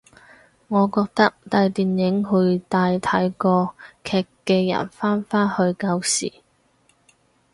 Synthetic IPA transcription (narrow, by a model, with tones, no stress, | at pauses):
ŋɔː˨˧kɔː˧k̚t̪ɐ˥k̚t̪aː˧jt̪iː˨njɪ˨˥ŋɦɵ˧ɥt̪aː˧jt̪ʰɐ˨˥jkɔː˧kʰɛː˧kːɛː˧jɐ̰˨˩nfaː˥nfaː˥nhɵ˧ɥkɐ˧wsḭː˨˩